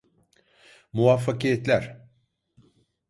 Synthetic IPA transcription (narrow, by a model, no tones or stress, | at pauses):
muafːakijɛt̪lʲæɾ̥